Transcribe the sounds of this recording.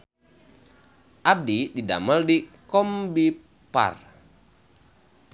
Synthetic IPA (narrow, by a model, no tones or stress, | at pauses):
ʔab̚didida̰məldikɔmbi | pa̰r